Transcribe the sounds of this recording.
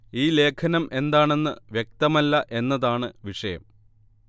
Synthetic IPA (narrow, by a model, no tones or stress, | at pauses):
iːle̞ːkʰɐnɐmʔe̞nd̪aːɳe̞nːɨ̰ʋjek̚t̪ɐmɐlːɐʔe̞nːɐðaːɳɨʋiʂɐjɐ̰m